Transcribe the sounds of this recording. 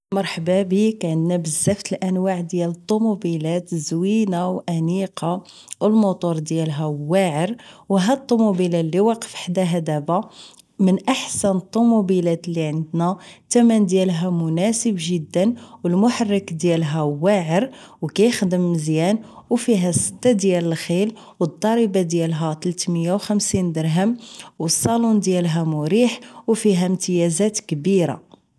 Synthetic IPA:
mɑɾˤħbæbikʕənd̪næbəzːæft̪əlʔænwaʕd̪jælət̪ˤːumubilæt̪əzwinawʔæniqʰɑ | wəlmʊt̪ˤuɾˤd̪jælɦæwaʕəɾwɦæt̪ˤːumubilælːiwɑqə̥fəħd̪æɦæd̪æbæ | mənʔaħsænət̪ˤːumubilæt̪lːiʕənd̪næt̪æmænd̪jælɦæmʊnæsəbʒəd̪ːənwəlmʊħarˤːəkd̪jælɦæwæʕəɾwkæjəxd̪əmːəzjænwfiɦæsːə̥t̪ːad̪jæləlxil | wət̪ˤːɑɾibad̪jælɦæt̪lt̪məjːawxæmsind̪əɾɦəmwəsˤːɑlund̪jælɦæmʊɾiħwfiɦæmt̪əjæzæt̪kbiɾa̰

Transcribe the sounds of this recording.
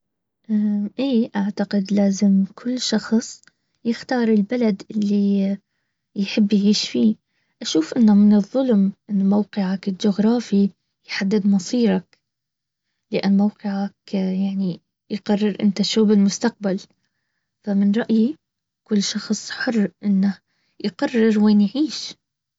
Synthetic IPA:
ʔaʔeːʔaʕt̪aqɪd̪laːzɪmkʰʊlːʃɑxsˤ | jɪxt̪ɑːɾˤɪlbalad̪ʔɪlːi | jħɪbːjʕiːʃfi | ʔaʃuːfʔɪnːʊmɪnɨðˤːʊlmʔɪnːmowqɪʕakɪld͡ʒʊɣɾˤɑːfi | jħad̪ːɪd̪mɑsˤiːɾˤɑk | lɪʔa̰nːmawqɪʕakjaʕni | jqɑrˤːɪɾʔɪ̰nt̪aʃuːbɪlmʊst̪aq̚bal | famɪnɾˤɑʔji | kʊlːʃɑxsˤħʊrːʔɪnːa | jqɑrːɪɾweːnjʕiːʃ

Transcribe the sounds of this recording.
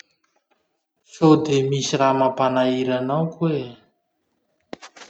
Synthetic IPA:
sod̪emisiramapanaiɾanawkwe

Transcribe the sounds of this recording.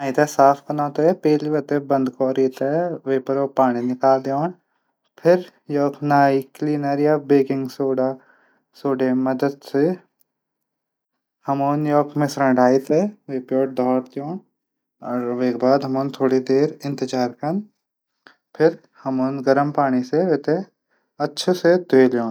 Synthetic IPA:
naːit̪esaːpʰkɐnãːt̪epeːliʋɐt̪ebɐ̃nd̪koːɾiːt̪ɛʋeːpɐɾoːpaːɽ̃inɪkaːld̪ejoːɳ | pʰɪɾ | jɔːkʰnaːikliːnəɾjaːbeːkɪ̃ŋɡsoːɖaː | soːɖemɐd̪əd̪se | hɐmoːnjɔːkʰmẽsɾə̃ɳɖʱaːit̪eːʋeːpjoːʈ̚d̪ʱɔːɾd̪joːɳ | ɔːɾʋeːk̚baːd̪ɦɐmoːnt̪ʰoːɽid̪eːɾɪ̃nt̪ɪd͡ʒaːɾkɐn | pʰɪɾ | hɐmoːnɡɐɾəmpaːɽ̃iseʋeːt̪e | ɐtːʃʰesed̪ʱeːljoːn

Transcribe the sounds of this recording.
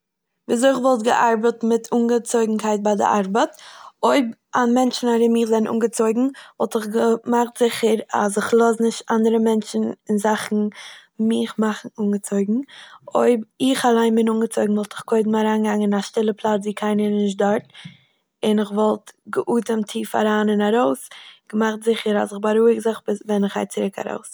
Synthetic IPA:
viːz̬oɪχvɔlˠtɡə̰ʔaɾbətmɪtʰuːnɡət͡soɪɡŋ̩kʰaɪt̚baɪdɪ̰ʔaɾbətoʏbanmɛnt͡ʃn̩aɾɪmiːχzɛn̩ʔṵːnɡət͡soɪɡŋ̩vɔlˠtɪχɡəmaχtz̥ɪχəɾa̰s̬ɪχlˠɔsnɪʃtandəɾəmɛnt͡ʃn̩ɪnzaχn̩mɪχmaχn̩uːnɡət͡soɪɡŋ̩oɪbɪχalˠaɪnbɪnuːnɡət͡soɪɡŋ̩vɔlˠtɪχkʰoɪdm̩aɾaːnɡaŋɪnaʃtɪlˠəpʰlˠat͡sviːkʰaɪnəɾnɪʃ̬t̚dɔɾt | ɪnɪχvɔlˠtɡəʔuːtəmtʰiːfa̰ɾaːnɪnaɾoʊsɡ̥əmaχtzɪχəɾa̰sɪχbaɾuːɪɡzɪχbvɛnɪχa̰ɪt͡sɪɾɪkʰa̰ɾo̰ʊs

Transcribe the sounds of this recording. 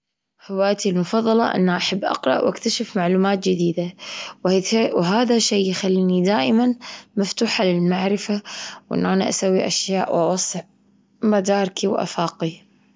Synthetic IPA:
hɪwaːjt̪ilmʊfɑðˤːɑlɑ̰ʔɪ̰nːaʔaħabːʔɑ̰qɾˤɑ̰ʔwʔa̰kt̪aʃɪfmaʕluːmaːt̪̚d͡ʒɪd̪iːd̪awwɦaːðaʃeːjxalːiːnid̪aːʔɪmanmaft̪uːħalɪlmaʕɾɪfawʔɪ̰nːʔaːnaʔasawːiʔaʃjaːʔwʔɑwɑsˤːʕ | mad̪aːɾˤkiwʔa̰faːqi

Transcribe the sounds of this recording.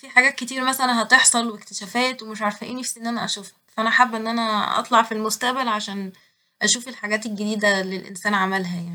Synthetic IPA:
fiħaɡæːt̪̚ket̪iːɾæmæsælænɦɑt̪ˤeħsˤɑlwekt̪e̥ʃæːfæːt̪wemeʃʕaɾˤfæʔiːnefsiʔenːʔænæʔæ̰ʃuːf | fæʔænæħabːʔenːʔænæʔɑ̰t̪ˤlɑʕfilmost̪æʔbælʕaʃæːn | ʔæʃuːfelħaɡæːt̪elɡed̪iːd̪ælelʔḛnsæːnʕamælɦæjaʕni

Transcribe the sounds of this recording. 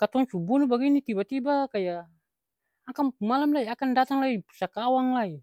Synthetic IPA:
kat̪ɔŋsubunubaɡinit̪ibat̪ibakajaː | kampumalamlaiakandat̪aŋlaipusakawaŋlai

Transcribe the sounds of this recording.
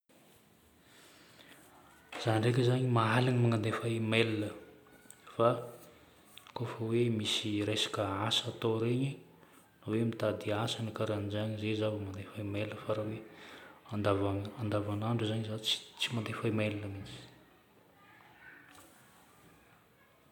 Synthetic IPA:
z̥anrek̬ʲəzaɲimaɦalaɲmaŋand̪efamelinə | fa | kofəwemisiɾesḁkəasat̪oɾeɲi | nawemit̪ad̪iasanikaɾand͡ʒaɲizezavəmand̪efaimeləfaɾaweand̪avanand̪avanaɳɖ͡ʐuzaɲzat͡si̥t͡simand̪efaimelinəmit͡si̥

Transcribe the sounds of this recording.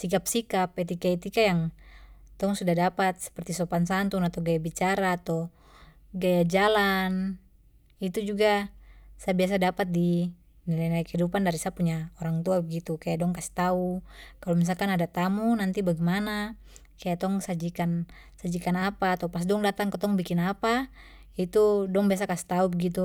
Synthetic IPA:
sikapsikapɛt̪ikait̪ikajaŋ | t̪ɔŋsudahdapat̪̚sɛ̥pɛrt̪isɔpansant̪uŋat̪awɡajabit͡ʃaɾaːt̪ɔ | ɡajad͡ʒalan | it̪ud͡ʒuɡasabias̬adapat̪̚di | nilanaikhidupandaɾisapuɲaɔɾaŋt̪uabɛɡit̪ukajadɔŋkasi̥t̪aukalɔmis̬alkanadat̪amunant̪ibaɡimana | kajat̪ɔŋsad͡ʒikan | sad͡ʒikanapaːt̪awpas̬dɔŋdat̪aŋkɔt̪ɔŋbikinapa | it̪udɔŋbias̬akasi̥t̪aubɛɡit̪u

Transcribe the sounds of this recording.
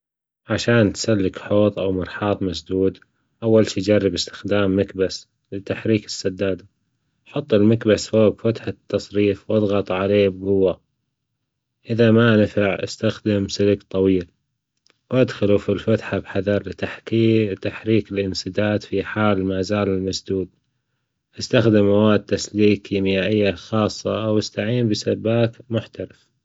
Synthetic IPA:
ʕaʃaːnt̪salːɪkħoːt̪ˤʔawmɑɾˤħɑːt̪ˤmasd̪uːd̪ | ʔawːalʃiːd͡ʒarˤːɪbɪst̪ɪ̥xd̪aːmːakbas | lɪt̪aħɾiːkɪ̥sːɑd̪ːaːd̪ | ʔħʊt̪ˤːɪlmakbasfoːbfat̪ħat̪ːɑsˤɾiːfwʔɑðˤɣɑt̪ˤʕaleːb̚ɡʊwːa | ʔɪðamanɪfɪʕʔa̰st̪axd̪ɪmsɪlɡt̪ˤɑwiːl | wʔad̪xʊlufilfat̪ħabħaðɑɾˤlɪt̪aħkiːt̪aħɾiːkɪlʔɪnsɨd̪aːt̪fiħaːlmaːzaːlɪlmasd̪uːd̪ | ʔast̪axd̪ɪmːawaːd̪̚t̪ːasliːkimɪjaːʔɪjːaxɑːsˤːɑ̰wɪst̪aʕiːmbɪsabːaːkmʊħt̪aɾɪf

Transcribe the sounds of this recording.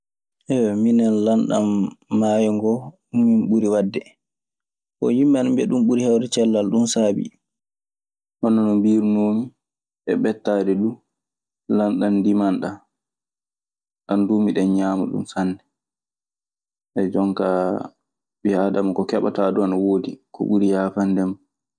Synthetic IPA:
ʔɛwɛminɛnlanɗamːaːjɔŋɡɔ | umːimɓuɾiwadːɛ | kɔ̰jimːanmbɛɗumɓuɾihawdɛt͡ʃɛlːalɗumsaːbḭ | hɔnːɔnɔmbiɾunoːmi | ʔɛɓɛtːaːdɛɗu | lanɗandimanɗa | ɗanduːmiɗɛɲaːma̰ɗṵmsandɛ | ʔɛd͡ʒɔŋka | ɓihaːdamakɔkɛɓa̰taduanawoːdikɔ̰ɓuɾijaːfandɛma

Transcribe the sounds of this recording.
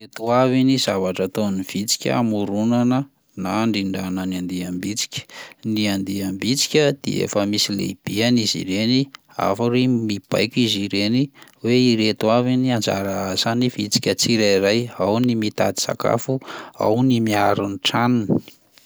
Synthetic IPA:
et̪uaviniz̥avaʈ͡ʂat̪oniv̥it͡si̥kʲə̰a̰muɾunanə | naɳɖ͡ʐiɳɖ͡ʐanəniand̪eambit͡si̥kʲə̥niand̪iambit͡si̥kʲəd̪̥ḛḛfəmisilḛb̥ianizḭɾeni | a̰faɾemib̥a̰jkʲiziɾeniweiɾet̪uaviniand͡za̰ɾaazanivit͡si̥kʲət͡siɾaiɾajawnimit̪a̰d̪i̥sa̰ka̰fua̰wnimiaɾuniʈ͡ʂanini̥i

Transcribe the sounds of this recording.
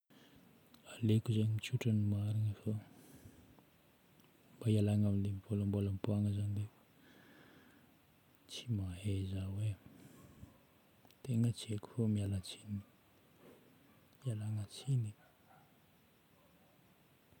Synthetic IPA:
alekuzeɲimit͡ʃuʈ͡ʂənimaɾinifo | mbaialaŋamilemivolambolampuaŋəzanid̪e | t͡simaɦezawe | t̪eŋət͡sieku̥fomialat͡sini | ialaŋət͡sini

